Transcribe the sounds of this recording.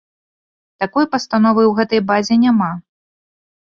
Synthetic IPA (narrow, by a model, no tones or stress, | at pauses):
t̪akɔjpɐst̪an̪ɔvɨwɣɛt̪ɐjbazʲɛnʲama